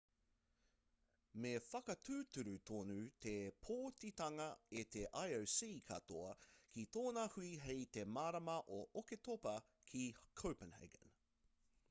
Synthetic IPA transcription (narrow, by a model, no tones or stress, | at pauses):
mefɐkɐtʉːt̪ʉɾʉt̪ʰonʉt̪epʰoːtit̪ɐŋɐet̪ʰeʔajowsiːkʰɐ̰t̪oɐkʰit̪oːnɐhuiɦejt̪e̞maːɾɐmɐʔoʔoket̪opɐ | kʰikʰowpənhɛ̰ɡə̰n